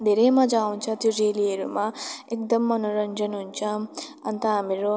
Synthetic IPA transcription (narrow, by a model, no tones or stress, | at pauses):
d̪eɾeːmad͡ʒaːwunt͡ʃat̪juɾeːlijeɾṵmaekd̪ɐmːɐnuɾɐɲd͡ʒɐnuɲt͡ʃaːmɐnt̪aːmiɾo